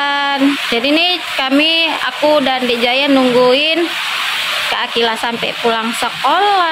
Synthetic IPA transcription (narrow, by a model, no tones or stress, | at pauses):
nd͡ʒadinikamia̰kudandid͡ʒajanuŋɡuɪn | kəakilasampɛ̰pulaŋsəkola